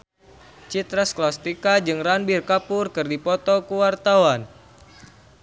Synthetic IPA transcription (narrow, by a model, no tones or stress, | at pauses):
t͡ʃit̪ɾasklast̪ikad͡ʒɨŋranbirkapʊrkɨrdipɔt̪ɔkuwart̪awan